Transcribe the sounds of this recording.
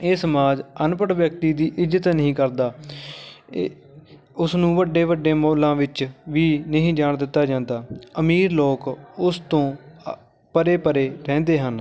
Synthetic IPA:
eːsəmaːd͡ʒənpəɽʋjək̚t̪iːd̪iːʔɪzət̪nəɦĩːkəɾd̪aː | ʊsnũːʋəɖeːʋəɖːeːmoːlãːʋɪt͡ʃʋiːnəɦĩːd͡ʒaːɳd̪ɪt̪ːaːd͡ʒãːnd̪aːəmiːɾloːkʊst̪õː | pəɾeːpəɾeːɾɛ̃ːnd̪eːɦən

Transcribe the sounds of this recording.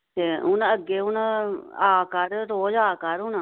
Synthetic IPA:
t̪eːʊnəɡːeːɦʊnaːkəɾɾoːd͡ʒaːkəɾɦʊn

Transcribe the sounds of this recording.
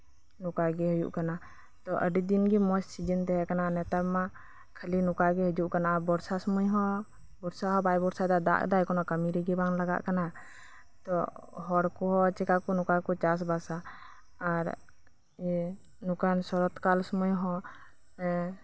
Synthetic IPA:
nukaɡɛɦujṵʔkana | t̪ɔʔəɖid̪inɡimɔssid͡ʒənt̪ɛɦɛkananɛt̪abma | kʰəlinukaɡɛɦud͡ʒuʔkanaʔabɔɾsasɔmujɦɔ̃ | bɔɾsaɦɔbajbɔɾsad̪ad̪a̰ʔd̪ajkɔnɔkəmiɾiɡɛbaŋlaɡa̰ʔkana | t̪ɔɦɔɽkɔɦɔt͡ʃɛkakɔnukakɔt͡ʃas̬basaː | ɾ | nukansɔɾɔt̪kalsɔmujɦɔ̃

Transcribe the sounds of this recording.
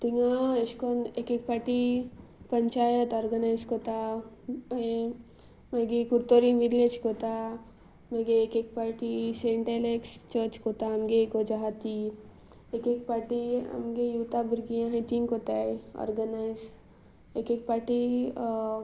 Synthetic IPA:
t̪iŋɡaeʃkonekek̚paːɾʈipɐɲt͡ʃaːjət̪ɔːɾɡənajzkot̪a | e | meɡikuɾt̪oɾiʋiɾled͡ʒkot̪a | meɡeekek̚paɾʈiseɪɳʈelekst͡ʃət͡ʃkot̪aɐmɡeɡod͡ʒaɦat̪i | ekekpaːɾʈiɐ̰mɡejuːt̪abiɾɡijãɦẽt̪inkot̪aeɔ̰ːɾɡənaɪz | ekek̚paʈi

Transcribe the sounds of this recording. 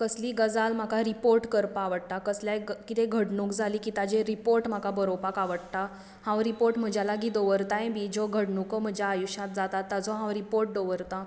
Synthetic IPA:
kəsliːɡəd͡zalm̤akaɾipoɾʈkəɾpaʋəɽt̪akəsljakit̪eɡʱəɽɳuːkd͡zʱaliːkit̪ad͡ʑeɾipoɾʈm̤akabəɾopakaʋəɽt̪a | hãwɾipoɾʈm̤əd͡ʑʱjalaɡiːd̪oʋəɾt̪ajẽbʱid͡zoɡʱəɽɳukəm̤əd͡ʑʱjaːjuɕat̪̚d͡zat̪at̪ːad͡zɔɦãwɾipoɾʈ̚d̪oʋəɾt̪a

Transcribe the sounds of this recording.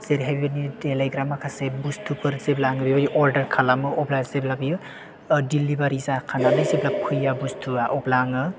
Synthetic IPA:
z̥eɾiɦajbibanidelajɡɾamakʰasebustʰupɯɾzeblaŋɯbibaniʔɔɾdɐɾkʰalamɯʔɔblazeblabi | dilːibaɾizakʰanalɯjzeblak̚pʰɯjabustʰuaʔɔblaŋɯ

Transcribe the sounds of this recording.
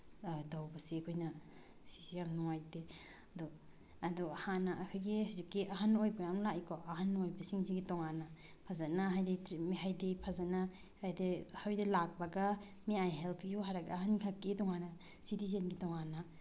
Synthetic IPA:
dawbɐsekʰojnɐ | si̥sijamnuŋajde | ɐdɔ | ɐdɔhanɐːkʰojɡisazikːiʔɐɦanojbɐjamlaʔikʰɔɐɦanojbɐsiŋziɡitoŋanːɐ | pʰazɐnaɦajditɾimiɦajdipʰazana | hajdehawjdilak̚bɐɡɐ | miajɦelpʰijuɦaɾaɡɐɦankʰakːidɔŋanɐ | sitizenɡitɔŋanːa

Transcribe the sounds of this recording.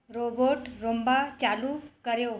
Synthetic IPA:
ɾoboʈɾombat͡ɕaluːkəɾjo

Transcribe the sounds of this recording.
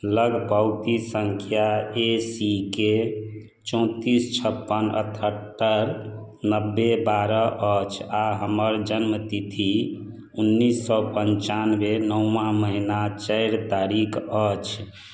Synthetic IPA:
ləɡʱpəʊt̪isəŋkʰjaesike | t͡ʃɔ̃t̪ist͡ʃʰəpːənə̰t̪ʰəʈːəɾ | nəbːebaɾəʔət͡ʃʰaɦəməɾd͡ʒənmət̪it̪ʰi | unːisːɔpənt͡ʃanbenəũːãməɦinat͡ʃəɪɾt̪aɾikʰət͡ʃʰ

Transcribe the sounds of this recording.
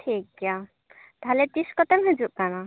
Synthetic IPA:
ʈʰik̚ɡja | t̪alɛt̪iskɔt̪ɛmɦəd͡ʒuʔkana

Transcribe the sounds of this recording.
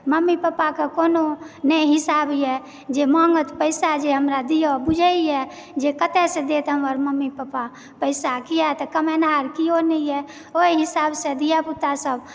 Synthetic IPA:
məmːipəpakekononəjɦɪsabjɛ | d͡ʒemɔ̃ŋɡət̪pəɪsad͡ʒeɦəmɾad̪ijobud͡ʒʱəiɛ | d͡ʒekət̪ɛsẽd̪et̪ɦəmʋəɾməmːipəpa | pəɪsakiat̪ɔkəmenaɾkionəijɛ | oiɦisabsẽd̪ijaput̪asəb

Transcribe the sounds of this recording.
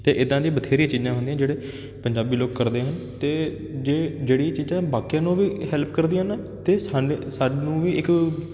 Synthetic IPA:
t̪eːʔɪd̪ãːd̪ĩãːbət̪ʰeːɾijĩːt͡ʃiːzãːɦʊnd̪ĩjãːd͡ʒeːɽeː | pəɲd͡ʒaːbiːloːkːəɾd̪eːɦənt̪eː | d͡ʒeːd͡ʒeːɽiːt͡ʃiːzãːbaːkijãːnũːʋiːhɛːlpʰkəɾd̪iãːɦənː | t̪eːsaːesaɖnũːʋiːɪk

